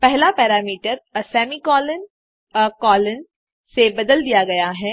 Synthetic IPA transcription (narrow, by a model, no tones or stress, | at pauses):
pɛɦlapɛːɾaːmiːʈəɾsɛːmikɔːlən | kɔːlən | sebɐd̪əld̪ijaɡɐjaɦɛː